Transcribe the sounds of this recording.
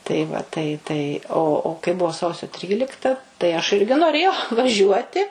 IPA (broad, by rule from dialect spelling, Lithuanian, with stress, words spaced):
tɐɪ ˈʋɐ tɐɪ tɐɪ oː oː kɐɪ ˈbʊʋoː ˈsɐʊsʲoː ˈtʲrʲiːlʲɪktɐ tɐɪ ɐʃ ˈɪrʲɡʲɪ noːˈrʲeːjɛʊ ʋɐˈʒʲuɔtʲɪ